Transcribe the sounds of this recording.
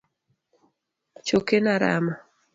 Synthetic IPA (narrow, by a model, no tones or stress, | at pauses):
t͡ʃokenaɾa̰ma